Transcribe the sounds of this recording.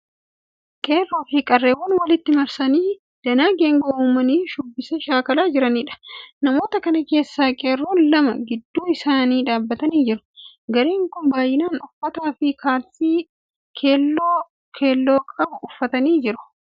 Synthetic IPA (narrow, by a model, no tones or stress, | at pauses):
kʼeːrːoːfiːkʼɐrːeːwɐnwɐlɪt̪ːɪmɐɾsɐniː | d̪̥ɐnaːɡeːŋɡoʔuːmɐniːʃʊbːɪsɛʃaːkɐlaːd͡ʒɪɾɐniːᶑɐ̥nɐmo̞ːt̪ɐkɐnɐke̞ːsːaːkʼe̞ːrːoːnlɐmɐɡɪd̪ːuːɪsaːniːᶑaːbːɐt̪ɐniːd͡ʒɪɾʊ̥ | ɡɐɾeːŋkʊnbaːjːɪnaːnʊfːɐt̪aːfɪkʰaːlsiː | kʰeːlːo | kʰeːlːo̞ːkʼɐbʊʊfːɐt̪ɐniːd͡ʒɪɾʊ̥